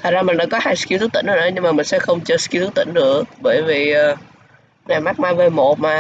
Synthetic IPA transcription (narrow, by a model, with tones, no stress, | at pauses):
t̪ʰə˨˩t̚zaː˧mï˨˩ŋ̟ɗa̰ː˧˥kɔ˨˦haː˧jski˧wt̪ʰt̪̚ḭ˧˥ŋɗo˨˩nə̰˧˨˦ɲɨ˧ŋmaː˨˩mï˨˩ŋ̟sɛ̰˧˥xə˧wŋ͡mt͡ɕəː˧ski˧wt̪ʰu˦˥t̪ḭ˧˥ŋ̟nɨ̰˧˥əɓəː˧˩jvi˨˩ʔəː˨˩ | na˨˩jma˦˥k̚maː˧jvəː˨˩jmo˨˩t̚maː˨˩